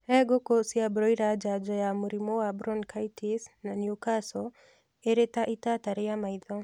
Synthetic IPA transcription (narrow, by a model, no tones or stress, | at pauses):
ɛɡokosiabɾɔjɾad͡ʒad͡ʒɔjamuɾimɔwabɾɔnkaitʰisnanjukasɔ | eɾetaʔitataɾɛamaid̪ɔ